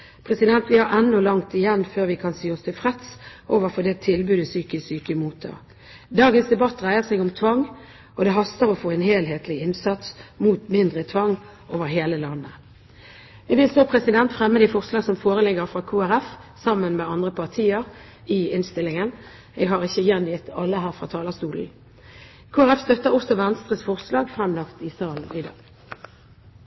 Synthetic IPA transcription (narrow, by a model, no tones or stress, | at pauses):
pʰʁɛsɪd̪ɛnt̪ʋɪhɑɾɛnːɔlɑŋt̪ɪjɛnːføːʁʋɪkʰɑnsiːɔst̪ʰɪfʁɛt̪sʔoːʋəʁfɔd̪ɛt̪ʰɪlbʉːd̪əsyːkəsyːkəmuːt̪ʰɑ̰ | d̪ɑːɡənsd̪ɛbɑt̪ːʁæɪəʁsɛɡʊmt̪ʰʋɑŋː | ɔd̪ɛɦɑst̪əɾɔfoːɛnheːlɦeːt̪ʰlɪɪnsɑt̪smuːt̪mɪnd̪ʁət̪ʰʋɑŋː | ʔoːʋəʁɦeːləlɑnːə | ʋɪʋɪlsoːpʰʁɛsɪd̪ɛnt̪fɾɛmːəd̪ɪfɔʁslɑːɡsɔmfoːʁəlɪɡəʁfʁɑːkʰuːæʁæfsɑmːənmeːɑnd̪ʁəpʰɑʁt̪ʰiːəʁ | ɪɪnst̪ɪlːɪŋən | eːɡɦɑʁɪçːəjɛnjɪt̪ːɑlːəɦæːʁfʁɑ̰ːt̪ʰɑːləst̪uːln̩ | kʰuːæɾɛfst̪œt̪ːəʁɔsɔʋɛnst̪ʁəsfɔʁslɑːɡfʁɛmlɑkt̪ɪsɑlʋɪd̪ɑː